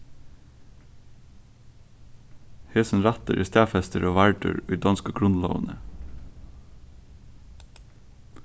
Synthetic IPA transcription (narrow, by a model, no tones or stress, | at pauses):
heːsn̩ɾɑt̪ə̰ɾʔiːst̪æːfɛst̪əɾoːʋæɹɖʉ̰ːɹʉːd̪ɑnskoɡɹʉnlo̰ːʋənə